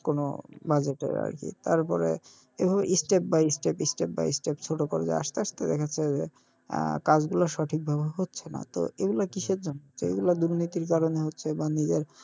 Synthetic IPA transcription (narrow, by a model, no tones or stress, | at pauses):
kono̰bad͡ʑeʈḛɾa̰ɾkḭt̪a̰ɾpɔ̰ɾḛ | ebʱabeʔisʈep̚baisʈepisʈep̚ba̰isʈept͡ɕʰoʈokoɾed͡ʑa̰a̰ʃt̪eaʃt̪ed̪ɛkʰat͡ɕʰed͡ʑe | kad͡ʑɡulaɾʃɔʈʰik̚bʱabeɦotːɕʰena̰t̪o̰eɡulakiʃed͡ʑonːot͡ɕʰeḛɡulad̪uɾnit̪iɾkaɾoneɦotːɕʰebanid͡ʑeɾ